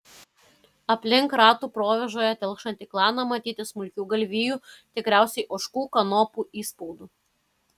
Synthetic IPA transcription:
ɐpʲlʲɪŋkɾɑːt̪uːpɾoːʋʲɛʒoːjɛt̪ʲɛlˠkʃɐnt̪ʲiklˠɑːnɐmɐt̪ʲiːt̪ʲɪsmʊlʲkʲuːɡɐlʲʋʲiːjuːt̪ʲɪkɾʲæˑʊsʲɛɪʔoːʃkuːkɐnɔːpuːʔiːspɔʊd̪uː

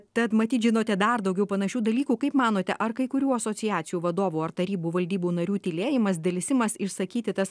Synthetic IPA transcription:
t̪ɐt̪mɐt̪ʲiːt̪ʒʲɪnoːt̪ʲɛd̪ɐrd̪ɐʊɡʲɛʊpɐnɐʃʲuːd̪ɐlʲiːkuːkɐɪpmɑːnoːt̪ʲɛʔɐrkɐɪkʊɾʲuːɐsoːsʲɪjæːt̪sʲɪjuːʋɐd̪oːʋuːɐrt̪ɐɾʲiːbuːʋɐlʲd̪ʲiːbuːnɐɾʲuːt̪ʲɪlʲeːjɪmɐsd̪ʲɛlʲsʲɪmɐsɪʃsɐkʲiːt̪ʲɪt̪ɐs

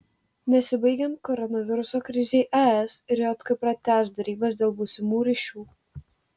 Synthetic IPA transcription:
nʲɛsʲɪbɐɪɡʲɛnt̪̚kɔɾɔnɐʋʲɪɾʊsoːkɾʲɪzʲeɪʔɛɛsɪɾjoːt̪kʊɪpɾɐt̪ʲæːsd̪ɐɾʲiːbɐsd̪ʲeːlˠbusʲɪmuːɾʲiːʃʲuː

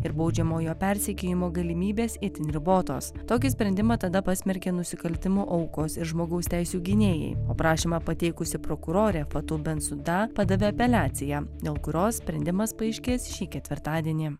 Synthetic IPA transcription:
ɪɾbɐʊd͡ʒʲɛmoːjoːpʲɛɾʲsʲɛkʲejɪmoːɡɐlʲɪmʲiːbʲeːsɪt̪ʲɪnʲɾʲɪboːt̪o̰ːst̪oːk̬ʲɪsʲpʲɾʲɛnʲd̪ʲɪmɐt̪ɐd̪ɐpɐsʲmʲɛɾʲkʲeːnʊsʲɪkɐlʲt̪ʲɪmoːʔɐʊkoːsɪɾʒmoːɡɐʊst̪ʲæɪsʲuːɡʲɪnʲeːjɛ̰ɪo̰ːpɾɑːʃʲiːmɑpɐt̪ʲɛɪkʊsʲɪpɾokʊɾoːɾʲɛfɐt̪ʊbʲɛnsʊd̪ɑpɑd̪ɐʋʲeːɐpʲɛlʲæːt̪sʲɪjæːd̪ʲeːlˠkʊɾʲoːssʲpʲɾʲɛnd̪ʲɪmɐspɐɐɪʃʲkʲeːsʃʲiːkʲɛt̪ʲʋʲɪɾt̪ɑːd̪ʲiɛnʲiː

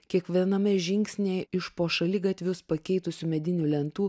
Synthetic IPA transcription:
kʲiɛkʋʲiɛnɐmʲɛʒʲɪŋʲksʲnʲeːɪʃpoːʃɐlʲɪɡɐt̪ʲʋʲʊspɐkʲɛɪt̪ʊsʲumʲɛd̪ʲɪnʲʊlʲɛnt̪uː

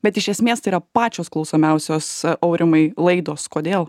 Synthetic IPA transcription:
bʲɛt̪ɪʃʲɛsʲmʲeːst̪ɐɪiːɾɐpɑːt͡ʃʲoːsklˠɒʊsoːmʲɛʊsʲoːsɐʊɾʲɪmɐɪlˠɐɪd̪oːskoːd̪ʲeːlˠ

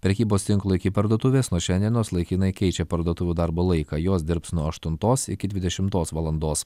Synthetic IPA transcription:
pʲɾʲɛkʲiːboːst̪ʲɪŋklˠoːɪkʲɪpɐɾd̪uɔt̪ʊʋʲeːsnuɔʃʲɛnd̪ʲiɛnʲoːslˠɐɪkʲinɐɪkʲɛɪt͡ʃʲɛpɐɾd̪oɔt̪ʊʋʲuːd̪ɐɾboːlˠɐɪkɑːjoːsd̪ʲɪɾpsnuɔɐʃt̪ʊnt̪oːsɪkʲɪd̪ʲʋʲɪd̪ʲɛʃʲɪmt̪oːsʋɐlˠɐnd̪oːs

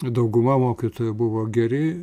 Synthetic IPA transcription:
d̪ɐʊɡʊmɐmoːkʲit̪oːjʊbʊʋoːɡʲɛɾʲɪ

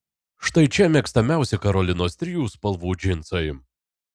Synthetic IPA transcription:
ʃt̪ɐɪt͡ʃʲɛmʲɛːkst̪ɐmʲæˑʊsʲɛkɐɾɔlʲɪnoːst̪ʲɾʲɪjuːspɐlˠʋuːd͡ʒʲɪnt̪soɪ

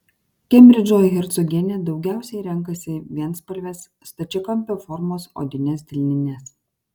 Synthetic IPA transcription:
kʲɛmʲɾʲɪd͡ʒʲoːjɣʲɪɾt̪sɔɡʲɛnʲɛd̪ɒʊɡʲæˑʊsʲɛɪɾʲɛŋˑkɐsʲɪʋʲiɛnspɐlʲʋʲeːsːt̪ɐt͡ʃʲɪkɐmʲpʲoːfɔɾmoːso̰ːd̪ʲɪnʲɛs̬d̪ʲɪlʲnʲɪnʲɛs

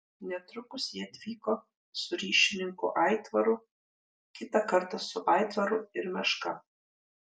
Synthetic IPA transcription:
nʲɛt̪ɾʊkʊsjiɛɐt̪ʲʋʲiːkoː | sʊɾʲiːʃʲɪnʲɪŋkṵʔɑˑɪt̪ʋɐɾʊ | kʲɪt̪ɐkɐɾt̪ɐsʊʔɑˑɪt̪ʋɐɾʊɪɾmʲɛʃkɐ

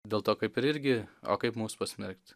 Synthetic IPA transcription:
d̪ʲeːlˠt̪oːkɐɪpɪɾɪɾʲɡʲɪo̰ːkɐɪpmuːspɐsʲmʲɛɾkt̪ʲ

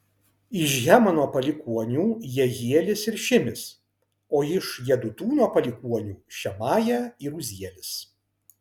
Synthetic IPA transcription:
ɪʃɣʲæːmɐnuɔpɐlʲɪkuɔnʲuːjɛɣʲiɛlʲɪsɪɾʃʲɪmʲɪs | oːɪʃjɛd̪ʊt̪uːnuɔpɐlʲɪkuɔnʲuːʃʲɛmɑːjæiːɾuzʲiɛlʲɪs

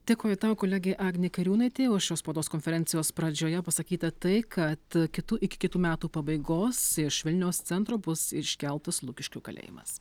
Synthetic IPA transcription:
d̪ʲeːkoːjʊt̪ɑːʋokoːlʲæːɡʲeːʔɑːɡnʲekɐɾʲuːnɐɪt̪ʲeːʋoːʃʲoːspoːd̪oːskonʲfʲɛɾʲɛnʲtsʲɪjoːspɾɐd͡ʒʲoːjɛpɐsɐkʲiːt̪ɐt̪ɐɪkʰɐt̪kʲɪt̪uːʔɪkʲɪ̥kʲɪt̪uːmʲæːt̪uːpɐbɐɪɡoːsɪʃʋʲɪlʲnʲɛʊst̪sʲɛnt̪ɾoːbʊsɪʃʲkʲɛlˠt̪ɐslˠuːkʲɪʃʲkʲʊkɐlʲḛːjɪ̰mɐ̰s

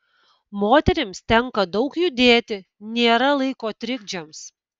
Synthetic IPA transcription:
moːt̪ʲɛɾʲɪmst̪ʲɛŋkɐd̪ɒʊkjʊd̪ʲeːt̪ʲɪ | nʲeːɾɐlˠɐɪkoːt̪ʲɾʲɪɡd͡ʒʲɛms

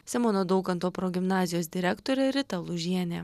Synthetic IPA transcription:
sʲɛmɔnoːd̪ɒʊkɐnt̪oːpɾɔɡʲɪmnɑːzʲɪjoːs̬d̪ʲɪɾʲækt̪oːɾʲeɾʲɪt̪ɐlˠuʒʲiɛnʲeː

